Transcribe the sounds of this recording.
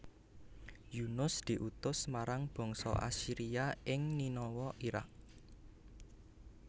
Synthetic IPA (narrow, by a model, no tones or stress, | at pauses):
junʊsd̪̥i̤ʔut̪ʊsmaɾaŋb̥ɔ̤ŋsɔ̰ʔa̰siɾiaʔɪŋninɔwɔʔiɾa̰k̚